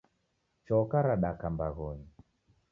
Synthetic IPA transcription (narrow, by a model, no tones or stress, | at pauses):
t͡ʃɔkaɾaɗakambaɣɔɲi